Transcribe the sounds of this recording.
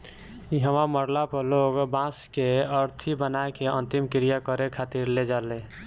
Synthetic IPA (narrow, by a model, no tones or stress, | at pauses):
iɦəmaməɾlapəɾloːɡbãskeəɾt̪ʰibənaekeə̃nt̪imkɪɾijakəɾekʰat̪iɾled͡ʒalẽ